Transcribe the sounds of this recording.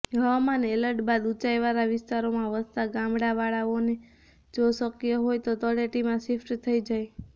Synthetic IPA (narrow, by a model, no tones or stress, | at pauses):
ɦəʋamaneləɾʈbad̪ut͡ʃajʋaɾaʋɪst̪aɾomãʋəst̪aɡãmbɽaʋaɭaʋone | d͡ʒosəkijəɦojt̪ot̪əɽeʈimãsɪfʈt̪ʰəid͡ʒaj